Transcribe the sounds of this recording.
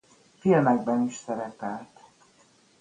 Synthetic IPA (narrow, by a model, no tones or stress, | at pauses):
filmɛɡ̚bɛniʃsɛɾɛpɛlt̪